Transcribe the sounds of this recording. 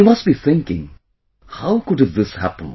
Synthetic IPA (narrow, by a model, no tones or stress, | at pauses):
imʌsʈbiθɪ̃ŋkɪ̰̃ŋ | haʊkʊɖɨt̚ðɪshæ̰pə̃n̩